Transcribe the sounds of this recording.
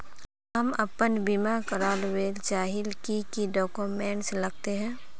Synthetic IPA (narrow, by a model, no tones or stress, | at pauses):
ɦɐmɐpənbimakəɾaːlweːlt͡ʃaːɦɪlkikiɖɔːkoːmẽːɳʈslɐɡ̚t̪eɦɛ̃ː